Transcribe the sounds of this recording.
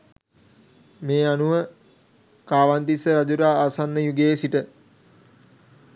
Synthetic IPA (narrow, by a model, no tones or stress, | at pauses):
meːanuʋə | kaːʋand̪isəɾad͡ʒuɾaːasanːəjuɡeːsiʈə